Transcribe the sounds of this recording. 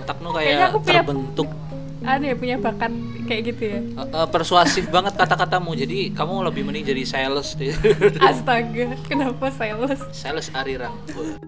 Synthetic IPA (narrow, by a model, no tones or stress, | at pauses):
t̪ak̚nukajaakuptuəɲrabənt̪ʊk̚ | adajapuɲabakat̪̚ | kajaʔɡit̪uja | ʔəpərsuasɪbaŋət̪̚kat̪akat̪amud͡ʒadikamuləbɪhmənɪŋd͡ʒadisaləsdɪast̪aɡakənapasaləssaləsaɾiɾaŋ | u